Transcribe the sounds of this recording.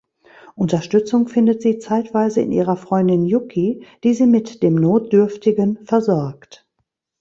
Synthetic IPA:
ʔʊntɐʃtʏt͡sʊŋfɪndətz̥iːt͡saɪtv̥aɪzəɪ̰nʔḭːʁ̞ɐfʁ̥ɔʏndɪnjʊkʰid̥iːziːmɪtd̥eːmnoːt̚d̥ʏɐftɪɡənfɛɐzɔɐkt

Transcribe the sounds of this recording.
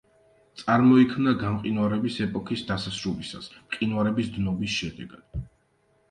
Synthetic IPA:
t̪sʼaɾmɔikʰmnaɡamqʼinwaɾɛbisɛpʼɔkʰisd̪asasɾulisasqʼinwaɾɛbisd̪nɔbisʃɛd̪ɛɡad̪̥

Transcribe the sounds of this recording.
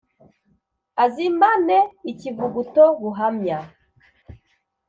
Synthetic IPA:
azimbaneicivuɡutoɡuɦamɲa

